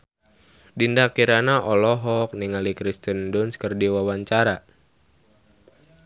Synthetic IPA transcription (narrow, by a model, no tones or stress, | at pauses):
dindakiɾanaʔɔlɔɦɔk̚niŋalikɾist̪əndunskərdiwawaɲt͡ʃaɾa